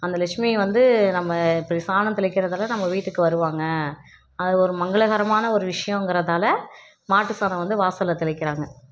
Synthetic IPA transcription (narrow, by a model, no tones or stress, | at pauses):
ɐnd̪ɐlɛʂmiʋɐnd̪ɯnɐmːɐɪpːɐɾisaːnɐ̃t̪ɪɭɪkːɪɾɐðaːlɐnɐmːɐʋiːʈːɯkːɯʋɐɾɯʋaːŋɡɐ | ɐðɯɔɾɯmɐŋɡɐɭɐɣɐɾɐmaːnɐɔɾɯʋɪʂɐjɐ̃ɛŋɡɪɾɐðaːlɐ | maːʈːɯsaːnɐ̃ʋɐnd̪ɯʋaːsɐlɐt̪ɪɭɪkːɪɾaːŋɡɐ